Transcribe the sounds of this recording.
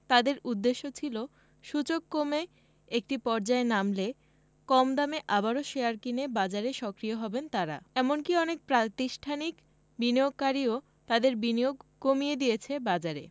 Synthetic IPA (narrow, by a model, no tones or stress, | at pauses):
t̪ad̪eɾud̪ːeʃːot͡ɕʰilo | ʃut͡ɕokːome | ek̚ʈipɔɾd͡ʑaenamle | kɔmd̪ameʔabaɾoʃeaɾkinebad͡ʑaɾeʃɔkɾioɦɔbent̪aɾa̰ɛmonkiɔnek̚pɾat̪iʃʈʰanik | binijoɡ̚kaɾio | t̪ad̪eɾbinijoɡkomijed̪iet͡ɕʰebad͡ʑaɾḛ